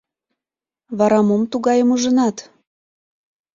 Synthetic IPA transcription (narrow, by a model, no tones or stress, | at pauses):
βɑɾɑmomt̪uɣɑjəmuʒənɑt̪